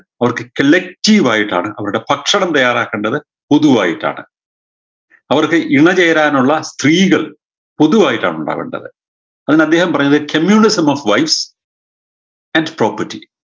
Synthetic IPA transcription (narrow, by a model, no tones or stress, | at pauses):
ɐʋɐrkɨkɐlːek̚tiːʋaːjiʈːa̰ːɳɨʔɐʋɐɾuɽe̞pɐkʂɐɳɐmt̪ɐjːaːɾraːkːeːɳɖɐðɨ | po̞ðuʋaːjiʈːa̰ːɳɨ̰ | ɐʋɐrkɨʔiɳɐt͡ɕe̞jɐɾaːnuɭːɐst̪riːɣɐɭ | po̞ðuʋaːjiʈːa̰ːɳuɳɖa̰ːʋḛɳɖɐ̰ðɨ | ɐðinɐd̪ːe̞ːhɐmpɐrɐɲːɐðɨkʰɐmjuːnisɐmɐfʋɐjfs | ɐndpro̞ːpɐtːi